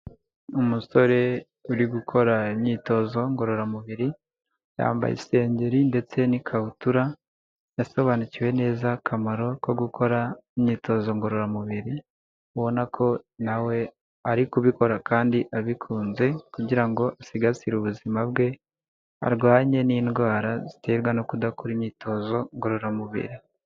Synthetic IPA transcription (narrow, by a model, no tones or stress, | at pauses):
umuso̞ɾe̞ | uɾiɡukʰo̞ɾaimɲiːto̞zo̞ŋɡo̞ɾo̞ɾamuβiɾi | ja̰ːmba̰jḭse̞ːɲɟe̞ɾinde̞t͡se̞nikʰahutuɾa | jaso̞βaːniciwe̞ne̞ːzakʰamaɾo̞ko̞ɡukʰo̞ɾaimɲiːto̞zo̞ŋɡo̞ɾo̞ɾamuβiɾi | βo̞nakʰo̞nawe̞ | aɾikuβiko̞ɾakaːndiʔaβikʰuːnze̞kuɟiɾaŋɡo̞ʔasiɡasiɾuβuzimab̚ɡe̞ | a̰ɾɡwaːɲe̞niːnɡwaːɾazite̞ːɾɡwanokudakuɾimɲiːto̞zo̞ŋɡo̞ɾo̞ɾamuβḭɾi